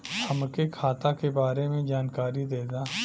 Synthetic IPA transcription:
hɐmkekʰaːt̪akebaːɾemẽd͡ʒaːnkaːɾid̪eːd̪aː

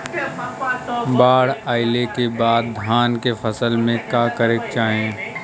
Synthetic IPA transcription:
baːɽaːɪlekebaːd̪̚ːʱaːnkefəsəlmẽkakəɾek̚t͡ʃaːɦẽː

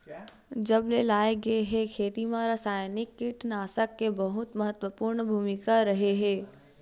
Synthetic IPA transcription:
d͡ʒɐblelaːeɡəeɦɛ̃kʰeːt̪imãɾəsaːjnɪkːɪʈnaːsəkːebəɦʊt̪məɦət̪wəpuːɾɳbʱuːmɪkaɾɐɦeɦɛ̃ː

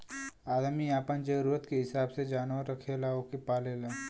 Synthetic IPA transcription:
aːd̪miaːpənd͡ʒəɾuːɾət̪keɦɪsaːbsed͡ʒaːnʋəɾːəkʰelaokepaːlelaː

